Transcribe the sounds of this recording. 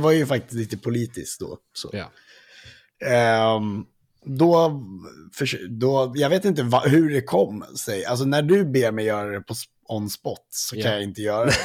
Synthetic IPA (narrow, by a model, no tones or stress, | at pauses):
vaɾjɵfak̚t̪ɪ̥st̪liːt̪əpʰʊliːt̪ɪ̰skd̪o̰ | so̰ː | d̪ɔ | fœʂd̪ɔjɑːɡveːt̪ɪnt̪̬əvaɦɵɖɛkʰɔmːsɛjʔals̬ɔnæɖɵbeːɾmɛjːœːɾad̪ɛpʰɔs | ɔnːspɔt̪ːsɔkʰanjaɪnt̪əjœːɾa